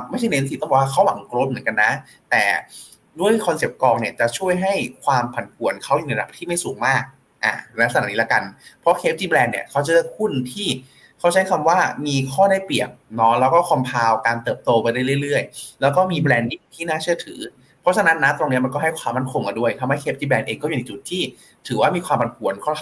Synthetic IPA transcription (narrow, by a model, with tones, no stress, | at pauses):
ma˥˩jʰt͡ɕa˥˩n˧˥˦t̪ʰiː˨˩t̪ɔ˥˩bɔ˨˩wa˥˩kʰa˦˥wa˩˦ŋklo˦˥t̪̚m˩˦nka˧nːa˦˥ | t̪ɛː˨˩ | du˥˩əjkʰɔ˧nse˨˩˦p̚kɔː˧ŋ̚ni˧˩ət͡ɕa˨˩t͡ɕʰu˥˩əjɦa˥˩jkʰwaː˧mpʰa˨˩˦npʰu˨˩˦ənkʰa˦˥wjnɛ˧a˧da˨˩pt̪ʰiː˥˩ma˥˩jsuː˨˩˦ŋmaː˥˩k̚ | ʔa̰ː˨˩lɛ˧˦˥sa˧naː˨˩˦niː˦˥la˦˥ka˧npʰɔ˦˥kʰeː˦˥p̚t͡ɕiː˧˥blɛː˧nːḭ˧˩ɐkʰa˦˥wt͡ɕa˨˩ɯː˥˩kʰu˥˩nt̪ʰiː˥˩ | kʰa˦˥wt͡ɕʰa˦˥jkʰa˧mwaː˥˩miː˧kʰɔː˥˩daː˥˩jpli˨˩ək̚nɔ˦˥lɛː˦˥wkɔː˥˩kʰɔ˧mpʰaː˧wkaː˧nt̪ɤː˨˩p̚t̪oː˧pa˧jɾa˥˩jɾɯ˥˩˨jlɾɯ˥˩əjlɛː˦˥wkɔː˥˩miː˧blɛː˧ndi˥˩t̪ʰiː˥˩naː˥˩t͡ɕʰɯ˥˩ət̪ʰɯ̰ː˩˦ | pʰɔ˦˥t͡ɕʰa˧na˦˥nːa˦˥t̪ɾo˧ŋni˦˥ɐma˧kɔː˥˩ɦa˥˩jkʰwaː˧mːa˥˩nkʰo˧ŋka˧˩ndu˥˩əjt̪ʰa˧mɦa˥˩jkʰe˦˥p̚t͡ɕiː˧˩bɛː˧nʔeː˧ŋkɔ˥˩u˨na˦˥jt͡ɕu˨˩t̪ʰːiː˥˩ | t̪ʰɯː˩˦waː˥˩miː˧kwaː˧mʰa˨˩˦npʰu˨˩˦ənkʰɔ˥˩